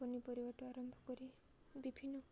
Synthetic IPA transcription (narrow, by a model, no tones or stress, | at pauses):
ɔnipɔɾibɔʈuaɾɔmbʱɔkɔɾi | bibʱinːɔ